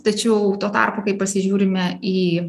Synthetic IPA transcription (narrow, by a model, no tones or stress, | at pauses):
t̪ɐt͡ʃʲɛʊt̪oːt̪ɐ̰rpoːkɐɪppɐsʲɪʒʲuːɾʲɪmʲɛiː